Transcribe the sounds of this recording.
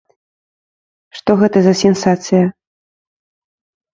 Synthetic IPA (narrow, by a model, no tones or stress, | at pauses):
ʂt̪ɔɣɛt̪ɐzɐsʲɛnsat̪sɨjɐ